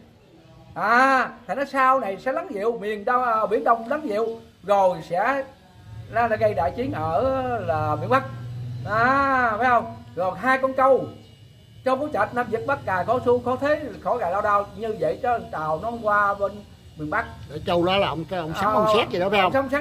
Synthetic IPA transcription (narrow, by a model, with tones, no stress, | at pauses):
ʔaː˨˩t̪ʰa˨˩nɔ˨˦saː˧wna˨˩jsɛ̰˧˥la˨˦nzḭ˧˨əwmi˨˩ənɗwʔːɓḭ˧˩ənɗə˧wŋ͡mla˨˦nzḭ˧˨əw | zo˨˩jsɛ̰˧˥ | laː˨˦la˨˧˦ɣə˧jɗa̰ː˧˨jt͡ɕi˨˦ənʔəː˧˩laː˨˩ɓi˧˨ənɓa˦˥k̚ʔaː˨˩faː˨˦jhə˧wŋ͡mzo˨˩jɦaː˧jkɔ˧nkə˧w | t͡ɕə˧wkɔ˨˦t͡ɕə˨˩t̚naː˧mzi˨˩ət̚ɓa˦˥kkaː˨˩kɔ˧˦su˧kɔ˧˦t̪ʰe˨˦˨xo˧˩˦ɣa˨˩laː˧wɗaː˧wɲɨ˧və̰˧˨jt͡ɕɔ˧˦˨t̪aː˨˩wnɔ˨˦kwaː˧ɓe˧n | ɓi˨˩ənɓa˦˥k̚ɗe˧˨˦t͡ɕə˧wlaː˨˦laː˨˩ʔə˨wŋ͡mkaː˨˦ʔə̰˧wŋ͡msaː˦˨˦ka˧nsaː˦˥k̚zi˨ɔ˨˦fa˧˦ə˧wŋ͡msa˨˦wŋ͡msaː˦˥